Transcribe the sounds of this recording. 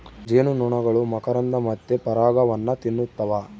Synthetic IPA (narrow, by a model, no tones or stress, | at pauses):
d͡ʒeːnunuɳɐɡɐɭumɐkɐɾɐnd̪ɐmɐt̪ːepɐɾaːɡɐʋɐnːɐt̪inːut̪ːɐʋa